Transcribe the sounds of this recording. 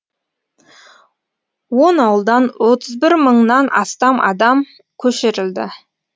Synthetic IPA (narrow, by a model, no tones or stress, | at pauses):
wo̞nɑwəlˠd̪ɑnwo̞t̪əzbɪɾməɴnɑnɑ̰st̪ɑmʔɑ̰d̪ɑm | kʲʰɵʃeɾɪld̪ɪ̰